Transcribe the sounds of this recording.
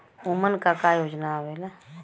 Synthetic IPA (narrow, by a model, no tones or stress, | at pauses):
ʊmənkakajoːd͡ʒnaɦoela